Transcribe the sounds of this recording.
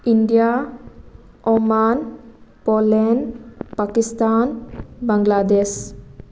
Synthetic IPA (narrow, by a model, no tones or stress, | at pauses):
inɖija | ɔmanpolenpakist̪anbaŋlad̪es